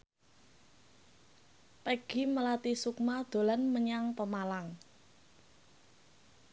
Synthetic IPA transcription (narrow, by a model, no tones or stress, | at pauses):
peɡ̥i̤məlat̪isuk̚mad̪̥o̤lanməɲaŋpəmalaŋ